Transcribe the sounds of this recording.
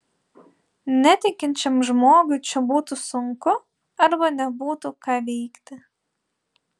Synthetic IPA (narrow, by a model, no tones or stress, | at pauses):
nʲæt̪ʲɪkʲɪnʲt͡ʃʲɛmʒmoːɡʲut͡ʃʲɛbuːt̪ʊsʊŋkʊ | ɐɾbɐnʲɛbuːt̪ʊkɑːʋʲɛːkt̪ʲɪ